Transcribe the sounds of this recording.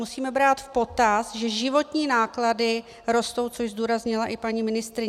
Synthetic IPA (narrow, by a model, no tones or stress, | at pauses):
musiːmɛbɾaːt̪fpo̞t̪asʒɛʒɪvo̞t̪ɲiːnaːkladɪ | ɾo̞st̪o̞wt͡soʃzd̪uːɾazɲɪlaʔɪpaɲiːmɪnɪst̪ɾɪ